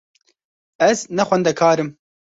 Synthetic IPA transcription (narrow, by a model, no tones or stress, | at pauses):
ɛznɛxʷɛnd̪ɛkʰaːɾɨm